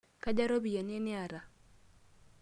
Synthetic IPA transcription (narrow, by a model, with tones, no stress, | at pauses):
ka˦d͡ʒa˦ɾo˦bi˨je˨nɛ˦nɪ˦a˨ɾa˨